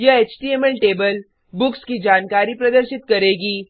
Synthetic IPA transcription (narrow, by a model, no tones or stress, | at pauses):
jɐet͡ʃʈiemelʈeːbəl | bʊkskid͡ʒaːnkaːɾipɾɐd̪əɾʃɪt̪kɐɾeːɡiː